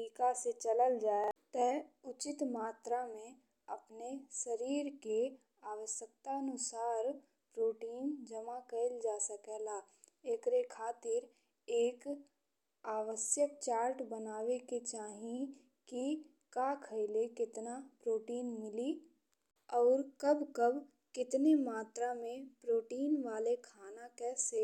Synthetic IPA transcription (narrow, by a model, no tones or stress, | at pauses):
iːkaset͡ʃələld͡ʒaːt̪əɦʊt͡ʃɪt̪maːt̪ɾamẽ | əpnesəɾiːɾke | aːʋəʃjək̚t̪aənʊsaːɾ | pɾoːʈiːnd͡ʒəmakəɪld͡ʒaːsəkɛːla | eːkɾekʰaːt̪ɪɾ | eːk | aːʋəʃjək̚t͡ʃaːɾʈbənaːʋeket͡ʃaːɦĩ | ki | kakʰəɪlekɪt̪napɾoːʈiːnmɪli | ɔːɾkəbkəb | kɪt̪nemaːt̪ɾamẽpɾoːʈiːnʋaːlekʰaːnakɛːse